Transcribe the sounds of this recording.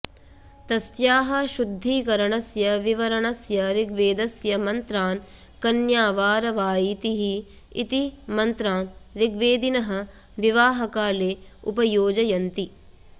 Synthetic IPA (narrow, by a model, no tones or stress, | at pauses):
t̪ɐsjaːɦɐ̆ʃud̪ʱːiːkɐɾɐɳɐsjɐʋiʋɐɾɐɳɐsjɐɾiɡʋeːd̪ɐsjɐmɐnt̪ɾaːn | kɐnjaːʋaːɾɐʋaːjit̪iɦi | ḭt̪imɐnt̪ɾaːnɾiɡʋeːd̪inɐɦɐ̆ | ʋiʋaːɦɐkaːleːupɐjoːd͡ʒɐjɐnt̪i